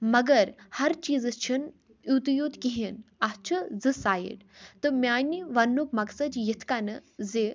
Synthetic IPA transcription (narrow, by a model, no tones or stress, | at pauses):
mɐɡɐɾhɐɾt͡ʃiːzɨst͡ʃʰin | ut̪ijut̪kiɦinast͡ʃʰɨzɨsaːjḭʈt̪ɨmʲjaːniʋɐnːukmɐksɐd͡ʒjit̪ʰkanɨze